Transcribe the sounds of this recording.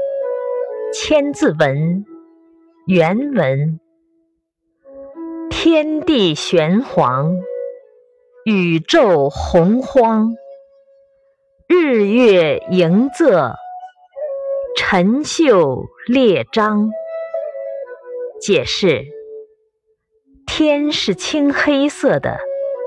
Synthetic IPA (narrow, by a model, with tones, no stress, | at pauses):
t͡ɕʰjɛ˥nt͡sɹ̩˥˩wə˧˥n | jɛ˧˥nwə˧˥n | t̪ʰjɛ˥nt̪i˥˩ɕɥɛ˧˥nxwɑ˧˥ŋ | y˨˩ʈ͡ʂo˥˩ʊxʊ˧˥ŋxwɑ˥ŋ | ɻɻ̩˥˧ɥɛ˥˩i˧˥ŋt͡sɤ˥˩ | ʈ͡ʂʰə˧˥ŋɕjo˥˩ʊljɛ˥˩ʈ͡ʂɑ˥ŋ | t͡ɕjɛ˨˩ʂɻ̩˥˩ | t̪ʰjɛ˥nʂɻ̩˥˩t͡ɕʰi˥ŋxe˥ɪsɤ˥˩d̪ə̰˩